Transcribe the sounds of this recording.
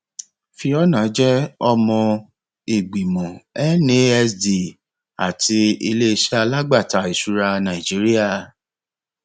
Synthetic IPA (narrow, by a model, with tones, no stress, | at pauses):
fi˧ɔ˦nã˨˦d͡ʒɛ˦ɔ˧mɔ̃˧ | e˨ɡ͡bi˨mɔ̃˨ɛ˦nĩ˨˦ɛ˦sdi˨ | a̰˨tʰi˧i˧le˦i˧ʃa˧la˦ɡ͡ba˦˨ta˨˦˨i˨ʃu˨˦ɾa˧nã˨i˨d͡ʒi˦ɾi˦a˦˨